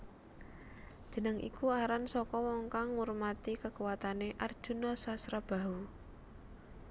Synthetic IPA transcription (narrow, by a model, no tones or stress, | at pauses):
d̥ʒ̥ə̤nəŋʔḭkuaɾansɔkɔwɔŋkaŋːurmat̪ikəkuwat̪aneʔard̥ʒ̥ṳnɔsasɾab̥a̤u